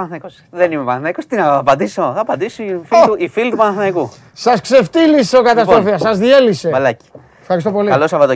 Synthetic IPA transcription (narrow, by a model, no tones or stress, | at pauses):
ɐθikos | ðenimepɐnθnɐikost̪inɐpɐnd̪isoθɐpɐnd̪isoifiuifilt̪upɐnɐθnɐiku | sɐskse̞ft̪iliseokɐt̪ɐsɾo̞fiɐsɐzðie̞liseɐlɐci̥ | efxɐɾis̬t̪o̞po̞liɐlosɐvɐt̪o